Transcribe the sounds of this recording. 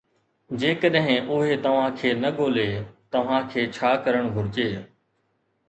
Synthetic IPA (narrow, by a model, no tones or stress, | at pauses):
d͡ʒeːkəɗɦɪ̃ʔʊɦeːt̪ɐʋ̤ãːkʰeːnəɠoːleːt̪ɐʋ̤ãːkʰeːt͡ʃʰaːkəɾəɳ̃bʱʊɾɪt͡ʃeː